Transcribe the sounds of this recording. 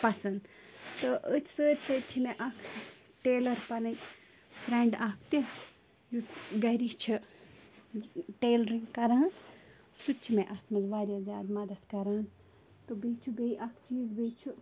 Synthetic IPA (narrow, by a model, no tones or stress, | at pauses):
pɐsɐn | t̪ɨʔət̪ʰsəːt̪ʲsɐt͡ʃʰimeʔɐkʰ | ʈeːlɐɾpɐnɐj | pʰɾeɳɖɐkʰt̪i | jusɡɐɾit͡ʃʰi | ʈeːlɾiŋɡkɐɾaːɐn | sut͡ʃʰimeʔɐsmɐzʋaːɾʲjaːzʲja̰ːd̪mɐd̪ɐt̪kɐɾan | t̪ɨbet͡ʃʰubeiʔɐkʰt͡ʃiːzbet͡ʃʰu